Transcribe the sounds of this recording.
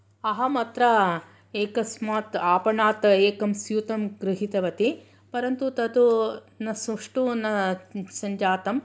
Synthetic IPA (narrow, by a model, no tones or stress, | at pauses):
ɐɦɐmɐt̪ɾɐ | eːkɐsmaːt̪aːpɐɳaːt̪eːkɐmsjuːt̪ɐmɡɾɪɦit̪ɐʋɐt̪i | pɐɾɐnt̪ut̪ɐt̪u | nɐsɐʂʈunɐsɐɲd͡ʒaːt̪ɐm